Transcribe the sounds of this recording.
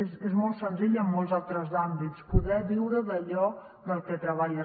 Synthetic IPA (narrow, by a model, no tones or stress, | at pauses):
esezmɔlˠt̪sənziʎəmːɔlˠzalˠt̪ɾəzambitspuðɛβiwɾəðəʎɔ | d̪əlˠkɛt̪ɾəβaʎə